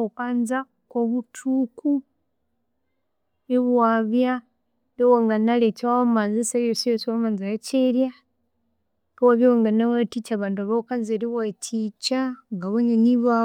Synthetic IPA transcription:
ukanza | koβutʰuku | eβwaːβja | lewaŋɡanalet͡ʃawamanzisajosijoswamanzajat͡ʃeɾja | kowaβjewaŋɡanawatit͡ʃaβaːntuaβakanzeɾiβwatʰit͡ʃaŋɡaβoɲaniβa

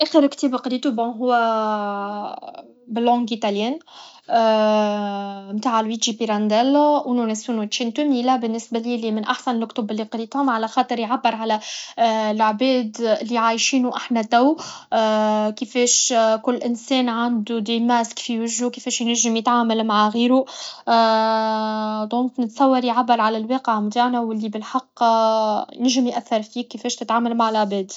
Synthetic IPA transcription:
ʔæxəɾkt̪iːbqɾiːt̪ubɔ̃ɦʊwːæ | bɪlːɔ̃ŋɡit̪aljɛːn | mt̪aːʕlwid͡ʒipiɾænd̪ɛlwnunɛsunut̪ʃint̪ʊmilæbɪnːɪsbæliːlimɪnʔaħsanlkt̪ʊbɪlːiqɾiːt̪hʊmʕalæxɑːt̪ˤɨɾjʕabːəɾʕalæ | lʕbɛːd̪ɪlːiʕaːjʃiːnuʔaħnæt̪æw | kəfɛːʃkʊlːʔɪnsɛːnʕand̪ud̪imæskfiwɪʒːukefeːʃjnæʒːɪmjət̪ʕaːmalmaʕɣiːɾu | d̪ˤõːŋknɪt̪sˤɑwːɑɾjʕabːɑɾˤʕalælweːqəʕmt̪aːʕnæwɪlːibɪlħɑqː | jnɪʒɪmjʔæθːɑɾˤfiːkːəfɛːʃt̪ɪt̪ʕaːmalmaʕɪlʕbɛːd̪

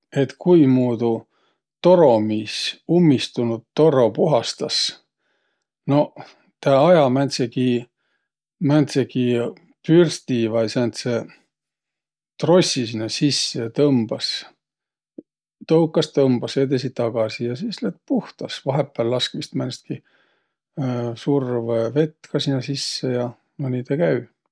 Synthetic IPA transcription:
e̞t̪kujmuːd̪u | t̪o̞ɾo̞misumːist̪unud̪̚t̪ːo̞ro̞puɦɑst̪ɑs | no̞ | t̪æɑjɑmænʲt̪seki | mænʲt̪seki | pyrst̪ivɑjsænt̪se | t̪ro̞sʲisinːɑsisːet̪ɤmb̥ɑs | t̪owkːˑɑst̪ɤmb̥ɑsjed̪es̬it̪t̪ɑɡ̥ɑsijɑsislet̪̚puht̪ɑsvɑɦepˑːælːɑskmist̪mænʲst̪̚ki | survve̞t̪ːkɑsinːɑsisːejɑ | mɑnʲit̪ekæy

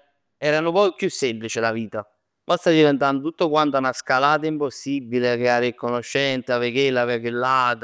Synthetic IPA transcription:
ɛːɾanʊpɔjpːjusːɛmplit͡ʃɪlaviːt̪a | bast̪ad̪ivɛnt̪and̪ot̪ut̪ːokwant̪anaskalaːt̪̬aimposːibːileakɾeaːɾɪkːonoʃːɛnt̪avekelːavekelːat̪

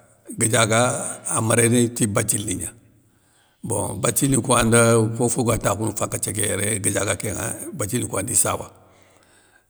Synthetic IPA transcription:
ɡəd͡ʒaɡaːmaɾenitibat͡ʃilːiɲa | bõ̰bat͡ʃilikuandakofoɡatakunufakːat͡ʃek̬eɾeɡəd͡ʒaɡakeŋa̰bat͡ʃilikʷandisa̰wa̰

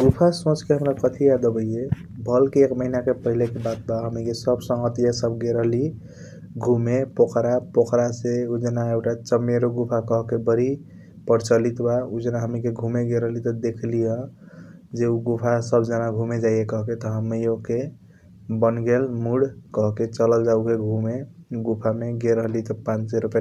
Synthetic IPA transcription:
ɡupʰasõt͡ʃkeɦəmɾakət̪ʰiad̪əbəiebʱəlkeːkməɦinakepəɦilekebat̪̚baɦəmikesəbsə̃ŋɡət̪ijasəbɡeɾəɦli | ɡʱumepokɾapokɾaseud͡ʒənaekʈat͡ʃəmːeɾoɡupʰakʌɦkebəɾi | pəɾt͡ʃəlit̪baud͡ʒənaɦəmikeɡʱumeɡeɾəɦlit̪ɔd̪ekʰlijə | d͡ʒeuɡupʰasəbd͡ʒənaɡʱumed͡ʒajekʌɦket̪ɔɦəmijoke | bənɡelmuɽkəɦket͡ʃələld͡ʒaukeɡʱũmeɡupʰameɡeɾəɦlit̪ɔpãt͡ʃseɾupja

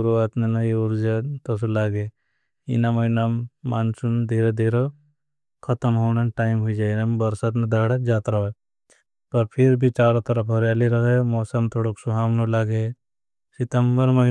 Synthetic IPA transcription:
uɾuaːt̪nenɐiuɾd͡ʒat̪os̬ulaːɡe | ḭnamɐinamːaːnsund̪ʱeːɾed̪ʱeːɾo | kʰɐt̪əmɦoːnɐnʈaːɪimɦuid͡ʒaːnambɐɾsɐt̪ned̪aɽad͡ʒaːt̪ɾɐɦe | pɐɾpʰiɾbʱit͡ʃaːɾõt̪ɐɾɐpʰɦɐɾjaːliɾɐɦemɔːsɐmt̪ʰoːɽoksuɦaːmnolaɡe | sɪt̪ɐmbəɾmɐ

